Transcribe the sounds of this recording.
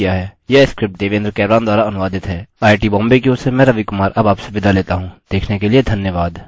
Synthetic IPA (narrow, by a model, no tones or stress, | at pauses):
jaɦɛːjɐskɾɪp̚ʈ̚d̪eːʋẽnd̪ɾkɛːbɾaːnd̪waːɾaɐnʊʋaːd̪ɪt̪ɦɛːaːɪʈiːbɔ̃ːmbek̬iosemɛ̃ːɾɐʋikʊmaːɾʔɐbaːpseʋɪd̪aleːt̪aɦũːd̪̥eːkʰnekelied̪ʱɐnjəʋaːd̪